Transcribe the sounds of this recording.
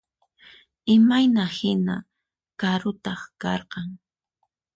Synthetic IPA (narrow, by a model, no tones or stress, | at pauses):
ɪmajnahɪna̰ | kaɾʊt̪ɑχkɑɾqɑŋ